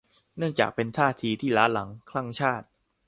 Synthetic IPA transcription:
nɯ˥˩əŋt͡ɕa̰ː˨˩k̚pe˧nt̪ʰaː˥˩t̪ʰiː˧t̪ʰiː˥˩laː˦˥la˩˦ŋkʰla˥˩ŋt͡ɕʰaː˥˩t̪̚

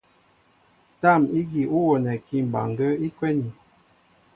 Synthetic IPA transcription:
ta˦˨mi˦ɡi˨ʔu˦wɔ˨nɛ˨ki˦˨m˨ba̰˨ŋɡə˦i˦kwɛ˦ni˨

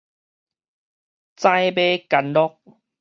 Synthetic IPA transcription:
t͡sã˦˧jbe˦ka˨nlɔ˦k̚

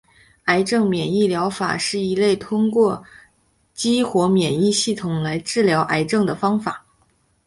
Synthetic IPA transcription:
a˧˥ɪʈ͡ʂɤ˥˩ŋmjɛ˨˩ni˥˩ljɑ˧˥ʊfa̰˨˩ʂɻ̩˥˩i˧˥le˥˩ɪt̪ʰʊ˥ŋkwɔ˥˩ | t͡ɕi˥xwɔ˧˥mjɛ˨˩ni˥˧ɕi˥˩t̪ʰʊ˨˩ŋla˧˥ɪʈ͡ʂɻ̩˥˩ljɑ˧˥ʊʔa˧˥ɪʈ͡ʂɤ˥˩ŋd̪ə˩fɑ˥ŋfa̰˨˩˦

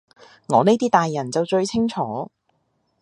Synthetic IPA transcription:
ŋɔː˨˧ne˥t̪iː˥t̪aː˨jːɐ˨˩nt͡sɐ˨wt͡ʃɵ˧ɥt͡sʰɪ˥ŋt͡ʃʰɔː˨˥

